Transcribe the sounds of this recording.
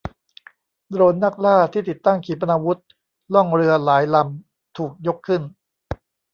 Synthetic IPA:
d̪ɾoː˧nːa˦˥˩k̚laː˥˩t̪ʰiː˥˩t̪i˨˩t̪ːa˥˩ŋkʰiː˩˦˥pa˧naː˧wu˦˥t̪̚ | lɔ˥˩ŋɾɯ˧ɐlaː˩˦jla˧m | t̪ʰuː˨˩k̚jo˦˥kʰːɯ˥˩n

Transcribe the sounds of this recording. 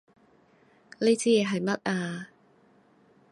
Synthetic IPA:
le˥t͡siː˥jɛː˨˧ɦɐ˨jmɐ˥t̚aː˧

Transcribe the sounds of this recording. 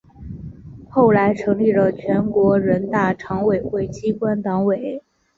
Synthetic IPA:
xo˥˩ʊla˧˥ɪʈ͡ʂʰɤ˧˥ŋli˥˩lə˩t͡ɕʰɥɛ˧˥nkwɔ˧˥ɻə˧˥nt̪a˥˩ʈ͡ʂʰɑ˧˥ŋwe˨˩ɪxwe˥˩ɪt͡ɕi˥kwa˥nt̪ɑ˧˥ŋwe˨˩˦ɪ

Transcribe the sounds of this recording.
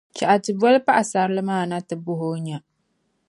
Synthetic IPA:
t͡ʃa˨ʔa˨tɨ˨bu˦a˦lpa˦ʔa˨sa˨ɾlɨ˦maː˦˨na˦tɨ˨bʊ˦ɦo˦ɲa˨

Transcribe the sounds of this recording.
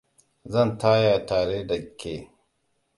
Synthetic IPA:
zɐnt̪ʰaː˦jaː˨t̪ʰaː˨ɾe˦ɖɐ˨ɡkʰːeː˨

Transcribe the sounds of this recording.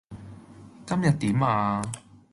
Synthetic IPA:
kɐ˥mjɐ˨t̚t̪iː˨˥maː˧

